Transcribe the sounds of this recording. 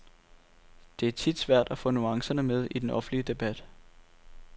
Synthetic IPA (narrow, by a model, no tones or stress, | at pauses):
d̥e̝æɐt͡sʰid̥sʋæɐ̰d̥æfɔ̽ːnuɑ̈ŋsɐnəmeð̞ˠid̥enʔɒ̽fn̩liəd̥e̝b̥æd̥